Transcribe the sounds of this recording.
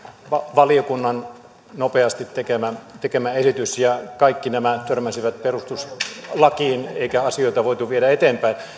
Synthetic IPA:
ʋɑʋɑliokunːɑn | nopeɑst̪it̪t̪ekemæt̪ekemæesit̪ysjɑkɑikːinæmæt̪ørmæsiʋæt̪̚perust̪uslɑkiːneikæɑsioit̪ɑʋoit̪uʋieɾæet̪eːmpæin

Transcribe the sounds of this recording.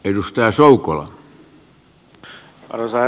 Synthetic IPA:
edust̪ɑjɑsoukolɑ̰ | ɑ̰rosɑ

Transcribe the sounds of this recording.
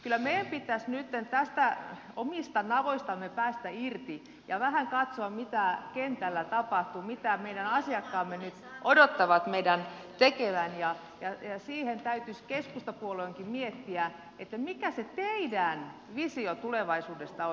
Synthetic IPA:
kylːˑæmeijæmpit̪ːˑæsnyt̪ːent̪æst̪æ | omist̪ɑnɑʋoist̪ɑmːepæːst̪æirt̪i | jɑʋæhæŋkɑt̪soɑmit̪ækent̪ælːæt̪ɑpɑht̪umit̪æmeidænɑsiɑkːɑːmːenyt̪ʔodot̪ːɑʋɑt̪meidæn | t̪ekeʋænjɑ | jɑjɑsiːhent̪æyt̪yskeskust̪ɑpuoloiŋkimiet̪ːiæ | et̪ːæmikæset̪eidæn | ʋisiot̪uleʋɑisuːdest̪ɑo

